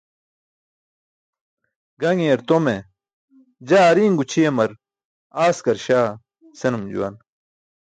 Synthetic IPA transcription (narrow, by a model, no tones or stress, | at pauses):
ɡɐŋeːɾt̪ome | d͡ʑaːɾiːŋɡut͡ɕʰijemɐɾ | aːskɐɾɕaː | senumd͡ʑṵwɐ̰n